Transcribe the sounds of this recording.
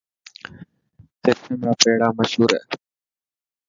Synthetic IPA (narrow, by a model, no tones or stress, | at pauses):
seːt̪eːmõːpeːɽaːməʃɦuːɾə̰ː